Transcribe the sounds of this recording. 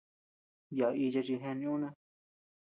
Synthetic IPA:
ja˨i˧t͡ʃa˧t͡ʃi˧ɦẽ˧nĩ˧ũ˦nẽ˧

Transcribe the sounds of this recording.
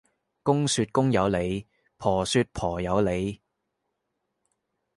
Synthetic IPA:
kʊ˥ŋsyː˧t̚kʊ˥ŋjɐ˨˧wle˨˧j | pʰɔː˨˩syː˧t̚pʰɔː˨˩jɐ˨˧wle˨˧j

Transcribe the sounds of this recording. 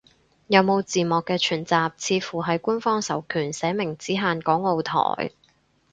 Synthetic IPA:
jɐ˨˧wmo˨˧wt͡siː˨mɔː˨˩kːɛː˧t͡ʃʰyː˨˩nt͡saː˨p̚t͡sʰiː˧fuː˨˩ɦɐ˨jkuː˥nfɔː˥ŋsɐ˨˩wkʰyː˨˩nsɛː˨˥mɪ˨˩ŋt͡siː˨˥ɦaː˧nkɔː˨˥ŋo˨˧wt̪ʰɔ̰ː˨˩j

